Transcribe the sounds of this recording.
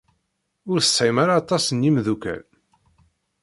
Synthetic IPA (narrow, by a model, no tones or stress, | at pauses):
ʊɾθə̥sʕimaɾaːt̪ˤːɑsənjimðukæ̰l